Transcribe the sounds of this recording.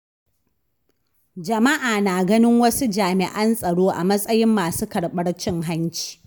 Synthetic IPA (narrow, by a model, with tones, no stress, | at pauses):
d͡ʒɐ˨mɐ˦ʔaː˨naː˨ɡɐ˦nɪ˦ŋwɐ˦su˦d͡ʒaː˨mɪ˨ʔɐ˦nsʼɐ˨ɽoː˦ʔa˨mɐ˦sʼɐ˦jɪ˦mːaː˨suː˦kɐ˨ɽɓɐ˦ɽt͡ʃɪ˦ŋɦa˦nt͡ʃi̥ː˨˦